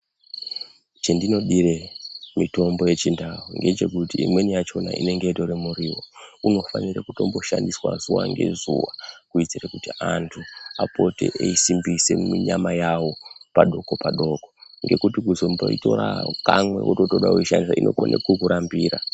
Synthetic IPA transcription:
t͡ʃendino̞ɗire̞mito̞mbo̞je̞t͡ʃindawuŋɡe̞t͡ʃe̞kutiːmwe̞nijat͡ʃo̞na̰ʔḭne̞ŋɡe̞itoɾemuɾiwo̰uno̞fanirekuto̞mbo̞ʃandiswa̰zuwa̰ŋɡe̞̰zuʋakuid͡zirekutiantʰuapo̞te̞̰ʔeisimbise̞miɲamajawopaɗo̞ko̞paɗo̞ko̞ŋɡe̞kutikuzo̞mboito̞ɾakamwe̞̰wutoto̞ɗauiʃandisaʔinʔo̞konekukuɾambiːra

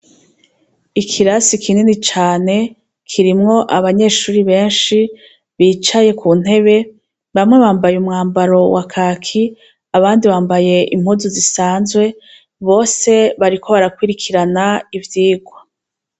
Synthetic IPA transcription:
ikʰiɾasikʰininit͡ʃaːne̞ | kʰiɾimŋo̞ʔaβaɲe̞ːʃuːɾiβe̞ːnʃi | βiːt͡ʃaje̞kʰun̥he̞βe̞ | βamŋe̞βaːmbajumŋaːmbaɾo̞wakʰaːkʰi | aβaːndiβaːmbaje̞ʔḭm̥huːzuzisaːnzwe̞ | βo̞ːse̞βaɾikʰo̞βaɾakwiɾikʰiɾanaivjiːɡwa

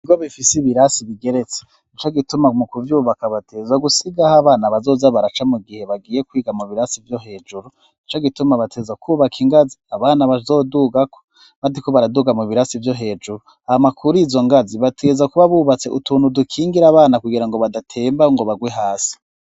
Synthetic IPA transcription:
iɡoβifisiβiɾasiβiɡe̞ɾe̞t͡se̥ | it͡ʃoɡitumamukuvjuːβakaβatʰeːzaɡusiɡahaβaːnaβazo̞ːzaβaɾat͡ʃamuɡihe̞βaɡiːje̞kwiːɡamuβiɾasivjo̞ɦe̞ːd͡ʒuɾu | it͡ʃoɡitumaβatʰeːzakʰuːβakʰiŋɡaziaβaːnaβazo̞ːduːɡako | βadikoβaɾaduːɡamuβiɾasivjo̞ɦe̞ːd͡ʒuɾu | ahamakʰuɾuizo̞ŋɡaziβatʰezakuβaβuːβat͡se̞ʔutuːnhudukʰiːŋɡiɾaβaːnakuɡiɾaŋɡo̞βadatʰeːmbaŋɡo̞βaɡweɦaːsi̥

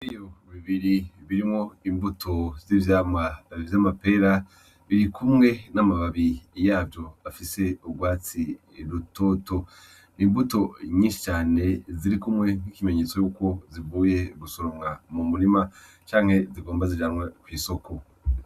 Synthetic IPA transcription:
ijoβiβiɾiβiɾimŋo̞imbutʰo̞vziːvjaːmavjamape̞ɾa | βiɾikumŋe̞namaβaβijaːbjo̞afise̞uɡwaːt͡si | ɾuto̞ːto̞ | niːmbuto̞ɲiːʃi̥t͡ʃaːne̞ziɾikumŋe̞ŋ̥hikime̞ɲe̞t͡so̞juːko̞zivuːje̞ɡusoɾoŋamumuɾima | t͡ʃaːŋ̥he̞ziɡo̞ːmbazid͡ʒanŋwakwiːso̞ko̞

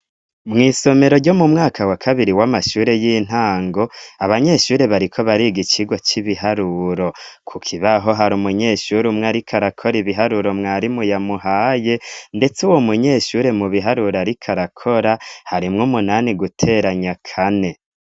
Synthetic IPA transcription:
mŋiːso̞me̞ɾo̞ɾɟo̞mumŋaːkʰawakʰaβiɾiwamaʃuːɾe̞jiːn̥aːŋɡo̞aβaɲe̞ʃuːɾe̞βaɾikʰo̞βaɾiɡit͡ʃiɡwot͡ʃiβiɦaɾuɾo̞kʰukʰiβaɦo̞ɦaɾumuɲe̞ʃuɾumŋaɾikʰaɾakʰo̞ɾiβiɦaɾuɾo̞mŋaːɾimujamuhaːje̞nde̞t͡suwomuɲe̞ːʃuːɾe̞muβiɦaɾuɾaɾikʰaɾakʰo̞ɾahaɾimŋumunaːniɡutʰe̞ːɾaɲakʰane̞

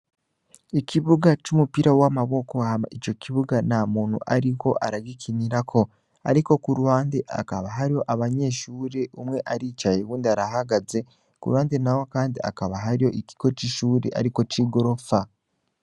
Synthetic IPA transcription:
icʰiβuɡat͡ʃumupiɾawamaβo̞ko̞hama̰it͡ʃo̞kiβuɡanamuːn̥hṵʔaɾiko̞ʔaɾaɡikʰiniɾakʰo̞ | a̰ɾiko̞kuɾuwaːndeʔa̰kaβaɦaɾijo̞ʔaβaɲe̞ːʃuːɾe̞ʔumŋe̞ʔaɾiːt͡ʃajewuːndiaɾaɦaɡaze̞ | kṵɾuwaːndenawokaːndia̰kaβaɦaɾijo̞ʔiki̥ko̞t͡ʃiʃuːɾḛʔa̰ɾiko̞t͡ʃiːɡo̞ɾo̞fa

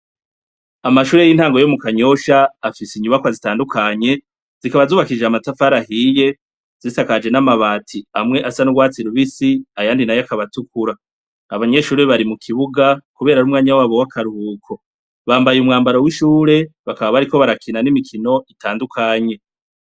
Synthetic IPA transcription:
amaʃuːɾejiːnhaːŋɡo̞jomukaɲo̞ʃaːfisiɲuβakwazitaːndukʰaɲe̞ | z̥ikaβazuːβakid͡ʒeamatafaɾahije̞ | z̥isakad͡ʒe̞namaβaːtʰiamŋe̞ʔasanuɡwaːt͡siɾuβisiajaːndinajakaβatukuɾaː | βaɲe̞ʃuːɾeβaɾimukʰiβuɡakuβe̞ːɾaɾumŋaːɲawaːβowakʰaɾuhuːkʰo̞ | βaːmbajumŋaːmbaɾo̞wiʃuːɾe̞βakaβaβaɾiko̞βaɾakʰinanimikʰino̞ʔitaːndukʰaɲe̞

